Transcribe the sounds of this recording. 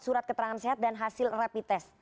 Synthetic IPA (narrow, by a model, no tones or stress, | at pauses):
suɾat̪̚kət̪əɾaŋanseɦat̪̚danɦasɪlrapit̪ɛs